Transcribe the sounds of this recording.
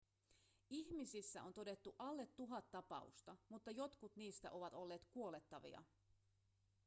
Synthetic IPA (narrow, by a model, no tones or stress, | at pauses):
içmisisːæo̞nt̪o̞de̞t̪ːuʔɑlːe̞t̪ːuɦɑt̪ːɑpɑ̰ṵst̪ɑmut̪ːɑjo̞t̪kut̪niːst̪æ̰ʔo̞ʋɑt̪o̞lːe̞ːt̪kuo̞le̞t̪ːɑʋḭɑ̰